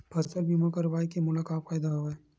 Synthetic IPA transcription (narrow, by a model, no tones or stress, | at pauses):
bʱɐst̪əɾbiːmãkaɾɐʋaːikemʊnakaːpkaːjd̪aɦoeː